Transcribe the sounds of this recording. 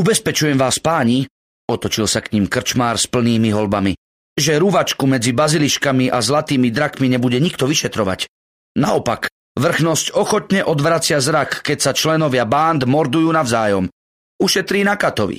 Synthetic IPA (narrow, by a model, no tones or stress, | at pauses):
ubɛspɛt͡ʃujɛmʋaːspaːɲi | ɔt̪ɔt͡ʃilsakɲimkr̩t͡ʃmaːɾspl̩niːmiɦɔlbami | ʒɛɾuʋat͡ʃkumɛd͡zibaziliʃkamiʔazlat̪iːmid̪ɾakmiɲɛbuɟɛɲikt̪ɔʋiʃɛt̪ɾɔʋa̰c | naɔpak | ʋr̩xnɔscɔxɔt̪ɲɛʔɔd̪ʋɾat͡sɪazɾakːɛcsat͡ʃlɛnɔʋɪabaːnd̪mɔɾd̪ujuːnavzaːjɔm | uʃɛt̪ɾiːnakat̪ɔʋḭ